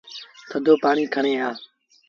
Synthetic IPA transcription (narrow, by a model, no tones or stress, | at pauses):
t̪ʰəd̪ʱoːpaːɳiːkʰəɳeːaː